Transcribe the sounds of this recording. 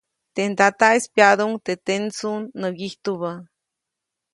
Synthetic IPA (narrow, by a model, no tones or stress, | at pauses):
t̪end̪at̪aespjad̪uŋt̪et̪ent͡sunːəɡiht̪uβə